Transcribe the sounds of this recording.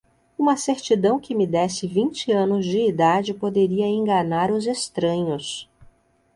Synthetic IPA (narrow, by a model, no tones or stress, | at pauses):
ũmɐseɾt͡ʃid̪ɐ̃w̃kɪmɪd̪ɛsɪvĩnt͡ʃɪɐ̃nʊzd͡ʒɪːd̪ad͡ʒɪpod̪eɾiɐẽŋɡanaɾʊzest̪ɾɐ̃ɲʊs